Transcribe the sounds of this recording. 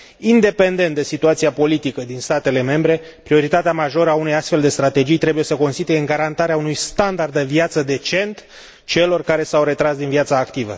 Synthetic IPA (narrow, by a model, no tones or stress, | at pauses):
ind̪e̞pe̞nd̪e̞nt̪d̪e̞sit̪uat̪siapo̞lit̪ikəd̪inst̪at̪e̞le̞me̞mbɾe̞ | pɾio̞ɾit̪at̪eamaʒo̞ɾəaune̞jast̪fe̞ld̪e̞st̪ɾat̪e̞d͡ʒijt̪ɾe̞buje̞səko̞nst̪it̪uje̞ɨŋɡaɾant̪aɾeaunujst̪and̪ard̪d̪eviat̪səd̪e̞t͡ʃe̞nt̪ | t͡ʃe̞lo̞rkaɾe̞sawɾe̞t̪ɾasd̪inviat̪saːkt̪ivə̰